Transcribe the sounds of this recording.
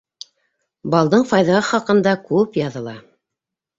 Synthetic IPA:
bɑlˠd̪ɤɴfɑjðɑχɑqɤ̆nd̪ɑkʉpjɑðɤ̆lˠɑ

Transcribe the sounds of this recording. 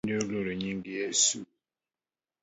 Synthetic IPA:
doloɾeɲiŋɡijɛsu

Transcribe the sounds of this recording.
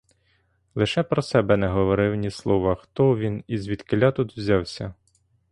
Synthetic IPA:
lˠɪʃɛpɾɔsɛbɛnɛɦɔʋɔɾɪwnʲislˠɔʋɐxt̪ɔʋʲinizʋʲid̪kɪlʲːɑt̪ut̪wzʲɑwsʲɐ

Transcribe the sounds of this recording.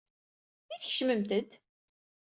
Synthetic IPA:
iθəçʃməmt̪əd̪

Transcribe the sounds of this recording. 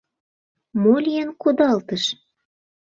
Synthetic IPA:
molʲijənkud̪ɑlt̪əʃ

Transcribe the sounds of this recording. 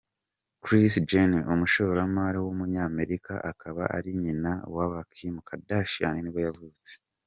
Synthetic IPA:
kɾisd͡ʒeniʔumuʃoɾamaɾawumuɲaːme̞ɾikʰa̰ʔakʰaβa̰ʔa̰ɾiɲinawaβakʰimukʰadaʃaniniβojavut͡se̥

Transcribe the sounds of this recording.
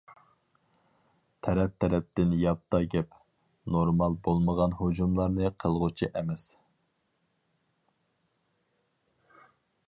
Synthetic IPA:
t̪ʰɛɾɛp̚t̪ʰɛɾɛp̚t̪ɪnjɑp̚t̪ːɑɡʲɛp | noɾmɑlˠbolˠməʁɑnhod͡ʒumlˠɑɾnɨqʰəlˠʁʊt͡ʃʰiʔɛmɛs

